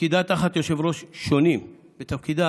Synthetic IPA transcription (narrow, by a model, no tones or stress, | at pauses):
kid̪at̪aχat̪jo̞ʃevɾo̞ʃʃːo̞nim | bet̪afkid̪a